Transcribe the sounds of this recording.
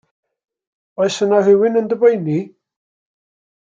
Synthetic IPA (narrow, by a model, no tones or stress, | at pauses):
ɔɨsənavɪwɪnəndəbejni